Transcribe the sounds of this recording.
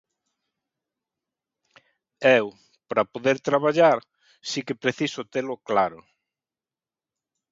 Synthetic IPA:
ew | pɾapoðeɾt̪ɾaβaʎaɾ | sikɪpɾeθisʊt̪elʊklaɾʊ

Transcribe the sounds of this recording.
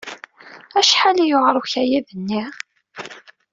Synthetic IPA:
æʃħalijoʁɾˤuçæjæðənːiʁ

